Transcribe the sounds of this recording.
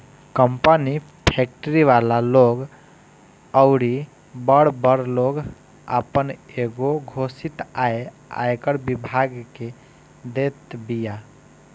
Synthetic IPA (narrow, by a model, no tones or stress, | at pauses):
kəmpəni | pʰek̚ʈəɾiʋalaloɡ | əʊɾi | bəɽ̤bəɽloɡ | a̰pəneɡoɡʱosit̪ae | a̰jkəɾbibʱaɡke | d̪et̪bija